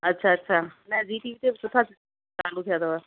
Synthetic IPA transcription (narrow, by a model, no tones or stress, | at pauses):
ətːʃʰaɐtːʃʰaːnɛ̃d͡ʒiːʈiːʋiːt̪esʊt̪ʰa | t͡ʃaːlut̪ʰɪjaːd̪aʋa